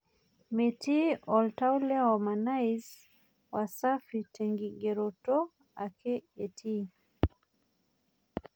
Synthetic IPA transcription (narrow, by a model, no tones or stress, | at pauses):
mɛtiɔltaulɛɔmanajz | wasafitʰɛŋɡiɡɛɾɔtɔ | akʰɛɛtʰi